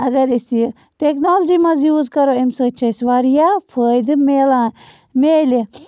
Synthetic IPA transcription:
ɐɡɐɾisi | ʈeknoːld͡ʒiːmɐzjuːzkɐɾoimsɐt͡ʃʰɐsʋaːɾijaːfʰəːjd̪ɨmeːlãː | meːli

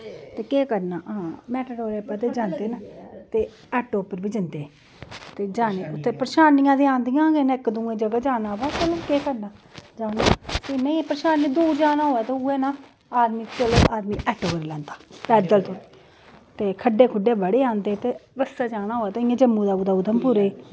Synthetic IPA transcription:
t̪eːkeːkəɾnaːɦãːmɛːʈəɽoːɾeːpːəːt̪eːd͡ʒãːnd̪eːnat̪eː | ɛːʈoːpːəɾbiːd͡ʒɪnd̪eː | t̪eːd͡ʒaːneːʊt̪ʰːeːpɾəʃaːnɪjãːd̪eːãːnd̪ijãːɡenɪkd̪ũːẽːd͡ʒəɡaːd͡ʒaːnaːʋaːtelẽkeːkəɾnaːd͡ʒaːnaːseːnə̃ipəɾəʃaːnẽːd̪uːɾd͡ʒaːnaːɦoːɛːt̪eːuːeːnaː | aːd̪mĩːt͡ʃəloːʔaːd̪mĩːʔɛːʈɦoːɾeːlɛ̃ːnd̪aːpɛːd̪əlt̪ʰoːniː | t̪eːkʰəɖeːkʰʊɖeːbəɽeːãːnd̪eːt̪eːʋəsːaːt͡ʃaːnaːɦoːɛːt̪aːɪ̃ãːd͡ʒəmːũːd̪aːuːd̪aːuːd̪əmpʊɾeː

